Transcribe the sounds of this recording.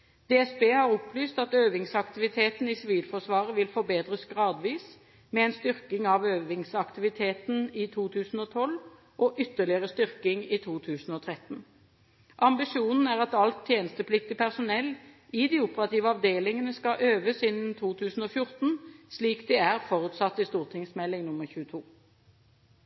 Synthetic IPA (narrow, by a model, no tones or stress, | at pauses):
d̪̥eːɛsbeːhɑʁʊplyːst̪ɑt̪øːʋɪŋsɑkt̪ɪʋɪt̪ʰeːt̪n̩isɪʋiːlfɔʁsʋɑːʁəʋɪlfɔʁbeːd̪ʁəsɡʁɑːd̪ʋiːs | mɛɛnst̪ʏʁkɪŋɑʋøːʋɪŋsɑkt̪ɪʋɪt̪ʰeːt̪n̩it̪ʰuːt̪ʰʉːsn̩ɔt̪ʰɔl | ʔɔʔʏt̪ːəlɪəʁəst̪ʏʁkɪŋiːt̪ʰuːt̪ʰʉːsn̩ɔt̪ʰʁɛt̪n̩ | ʔɑmbɪʂuːnn̩æːʁɑt̪ɑlt̪ʰːjeːnəst̪əpʰlɪk̚t̪ɪpʰæʁsʊnɛlː | ɪd̪ɪʊpəʁɑt̪iːʋəɑʋd̪eːlɪŋənəskɑʔøːʋəsɪnn̩t̪ʰuːt̪ʰʉːsn̩ɔːfjʊʁt̪n̩sliːkd̪ɪæʁfɔʁʉt̪sɑt̪ːɪst̪uːʁt̪ʰɪŋsmɛlːɪŋnʊmːəʁçʉːət̪ʰuː